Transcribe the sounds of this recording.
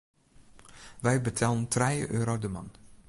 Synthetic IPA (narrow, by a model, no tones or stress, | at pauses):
ʋɛjbətʰɛlˠəntrɛjə̰ʔøːɾodəmɑn